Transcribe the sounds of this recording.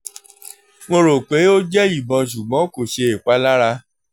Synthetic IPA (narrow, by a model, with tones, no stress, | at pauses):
ŋo˧ɾo˨k͡pe˨˦o˦d͡ʒɛ˦i˦˨bɔ̃˧ʃ̬u˨ɡ͡bɔ̃˨˦ko˨ʃe˧e˨k͡pa˨˦la˦ɾa˧